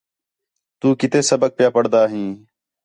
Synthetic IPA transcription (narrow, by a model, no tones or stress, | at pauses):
t̪uːkɪt̪eːsəbək̚pjaːpəɽd̪aːɦĩː